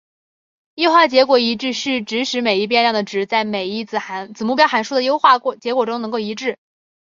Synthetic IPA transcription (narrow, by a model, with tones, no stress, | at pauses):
jo˥ʊxwa˥˩t͡ɕjɛ˧˥kwɔ˨˧˩i˧˥ʈ͡ʂɻ̩˥˧ʂ̩˥˩ʈ͡ʂɻ̩˧˥ʂɻ̩˧˥me˨˩ɪi˥˩p̬jɛ˥˧nɻjɑ˥˩ŋd̪ə˩ʈ͡ʂɻ̩˧˥t͡sa˥˩ɪme˨˩ɪi˥˩t͡s̩˨˩xa˧˥t͡sɹ̩˨˩mu˥˩pjɑ˥xa˧˥nʂu˥d̪ə˨jo˥ʊxwa˥˩˧t͡ɕjɛ˧˥kwɔ˨˩ʈ͡ʂʊ˥ŋnɤ˧˥ŋko˥˩i˧˥ʈ͡ʂɻ̩˥˩